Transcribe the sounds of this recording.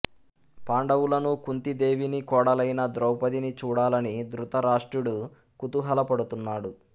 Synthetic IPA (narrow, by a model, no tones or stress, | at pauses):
paːɳɖɐwulɐnukunt̪id̪eːʋinikɔːɽɐlɐjnɐd̪ɾɔwpɐd̪init͡ʃuːɽaːlɐnid̪ɾut̪ɐɾaːʂʈɾuɽu | kut̪uɦɐlɐpɐɽut̪unːaːɽu